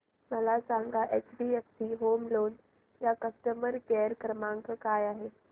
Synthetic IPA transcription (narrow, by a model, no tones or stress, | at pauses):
məlasãŋɡʱaʔet͡ʃbiefsiɦomloːn | jakəsʈəməɾkeɾkəɾmãŋkəkajaɦe